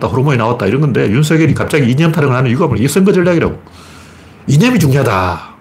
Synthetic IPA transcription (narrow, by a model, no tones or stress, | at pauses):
t͈aɸoɾomoinawat̚t͈aiɾʌnɡʌnde̞junsʰʌɡeɾikap̚t͡ɕ͈aɡiːɲʌmtʰaɾɯŋɯɭhanɯnjuɡamɯes͈ʌnɡʌd͡ʑʌɭːaɡiɾa̰ɡo | iɲʌmit͡ɕuŋɲiɦada